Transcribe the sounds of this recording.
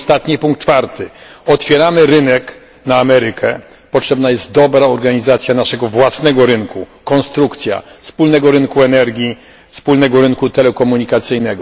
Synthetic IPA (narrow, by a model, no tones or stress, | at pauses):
st̪at̪ɲipuŋkt̪̚t͡ʂːfaɾt̪ʰɘɔt̪fʲjɛɾamɘɾɘnɛk | naːmɛɾɘkʰɛ | pɔtʂɛbnajɛst̪̚d̪ɔbɾaɔɾɡaɲizat̪sʲjanaʂɛɡɔvwasnɛɡɔɾɘŋkukɔnst̪ɾukt̪sʲja̰fspulnɛɡɔɾɘnkuɛnɛɾɡʲji | fspulnɛɡɔɾɘnkut̪ɛlɛkɔmuɲikat̪sɘjnɛɡɔ